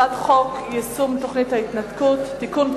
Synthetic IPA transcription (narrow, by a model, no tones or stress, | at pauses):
adχɔkjɪsʊmtʊχnɪtaitnatkʊtd̥ɪkʊn